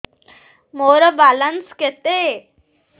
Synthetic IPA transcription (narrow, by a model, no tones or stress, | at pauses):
moɾəbalənsket̪e